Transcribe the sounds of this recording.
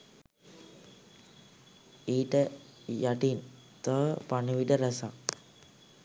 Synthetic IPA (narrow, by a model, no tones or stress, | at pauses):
iːʈə | jaʈin | t̪əpaniʋiʈəɾasak̚